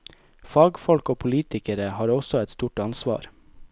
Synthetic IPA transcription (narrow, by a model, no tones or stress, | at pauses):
fɑːɡfɔlkoːpʰʊliːt̪ɪkəɾəhɑːɾɔsɔæt̪st̪uːʈɑnsʋɑ̰ːɾ